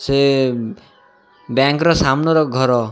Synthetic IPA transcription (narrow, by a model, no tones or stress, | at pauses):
se | bjaŋkɾɔsamnɔɾɔɡʱɔɾɔ